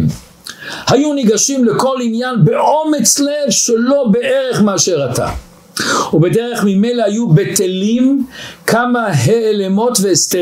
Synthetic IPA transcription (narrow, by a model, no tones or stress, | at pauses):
m | hajuniɡaʃimleko̞linjanbeʔo̞met͡slevʃelo̞beʔeʁeχmeaʃeʁata̰ | ubedeʁeχmime̞jlehajubetelimkamaɦeːlemo̞tveest̪e